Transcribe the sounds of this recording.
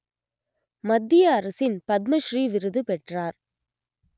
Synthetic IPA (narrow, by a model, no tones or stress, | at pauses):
mɐd̪ːɪjɐːɾɐsɪnpɐd̪̚mɐʃriːʋɪɾɯðɯpɛʈraːɾ